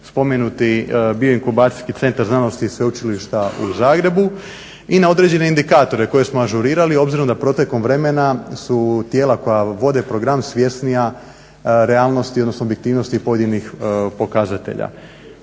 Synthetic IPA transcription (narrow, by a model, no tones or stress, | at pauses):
spo̞menut̪ibioiŋkubaːt̪i̥skit̪e̞nt̪aɾznano̞st̪isʋe̞ut͡ʃiliʃt̪aṵzaːɡɾe̞bu | inao̞d̪ɾe̞d͡ʑe̞ne̞ind̪ikaːt̪o̞ɾeko̞je̞smoaʒuɾiːɾalio̞bziɾo̞md̪apɾo̞t̪eko̞mʋɾe̞me̞nasut̪jeːlako̞jaʋo̞d̪e̞pɾo̞ɡɾamsʋje̞st̪nija | ɾe̞aːlno̞st̪iod̪no̞snobjekt̪iːʋno̞st̪ipo̞je̞d̪inixpo̞kazat̪e̞̰ʎa̰